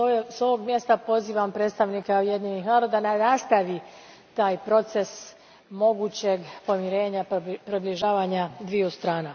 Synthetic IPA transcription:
so̞ʋo̞ɡmje̞st̪apo̞ziːʋampɾet̪st̪aʋnikauje̞d̪ɲenixnaːɾo̞d̪ananast̪aʋi | t̪aːjpɾo̞t̪ses | mo̞ɡut͡ɕe̞ɡpo̞mjiɾe̞ːɲapɾibliʒaːʋaɲad̪ʋijust̪ɾaːna

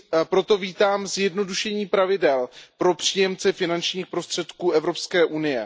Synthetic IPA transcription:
pɾo̞t̪o̞viːt̪aːmzjɛdno̞duʃɛɲiːpɾavɪdɛlpɾo̞pr̝̥iːjɛmt͡sɛfɪnant͡ʃɲiːxpɾo̞st̪r̝̥ɛt̪kuːɛvɾo̞pskɛːʔunɪjɛ

